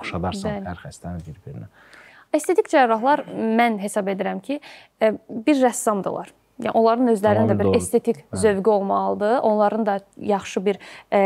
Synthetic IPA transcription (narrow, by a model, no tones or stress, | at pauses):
ʃɑd̪ɑɾsælæɾxæst̪ænibiɾbiɾin | est̪ʰe̞t̪ʰikd͡ʒɑɾɾɑɦlˠɑɾmænɦe̞sɑbe̞d̪iɾæmcʰi | biɾːæsːɑmd̪ɯ̰lˠɑ̰ɾ | j̰ʔolˠɑɾɯnø̞zlæɾinind̪æbiɾest̪ʰe̞t̪ʰikʰzø̞vɟyo̞lˠmɑlˠɯd̪ɯʔo̞nlˠɑɾɯnd̪ɑjɑχʃɯbiɾ